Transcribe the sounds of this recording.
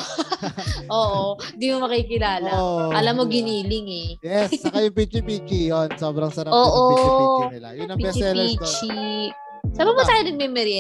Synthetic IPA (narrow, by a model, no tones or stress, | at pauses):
ʔoːʔond̪imomɐkɐikɪlaːlɐoʔʔɐlɐmːoɡɪniːlɪŋɛjɛst͡ʃːkajʊŋpit͡ʃipit͡ʃijonsoːbɾɐŋsɐɾɐoːʔo | ɐjʊnɐŋpːpɛt͡ʃɛlit͡ʃi | saːbɐmʊt̪aːjonɐɡ̚mɛmɛɾi